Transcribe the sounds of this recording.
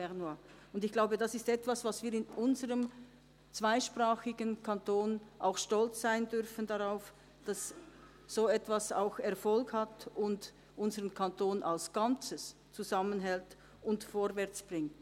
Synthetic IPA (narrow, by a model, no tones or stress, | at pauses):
ɛʁnua | ʊndɪçɡ̥laʊbədasɪstɛtv̥asv̥asviːɾɪnʔʊnzəʁəm | t͡sv̥aɪʃpʁ̥aːxɪɡənkʰantʰoːnʔa̰ʊxʃtɔlt͡sz̥aɪəndʏʁfən̩daʁaʊf | d̥as | z̥oːɛtv̥asa̰ʊxɛʁfɔlkhatʊnd | ʔʊnzəʁənkʰantʰoːnʔalsɡ̥ant͡səst͡suzamənɦɛlt | ʊntfoːɾvɛʁt͡sb̥ʁɪŋt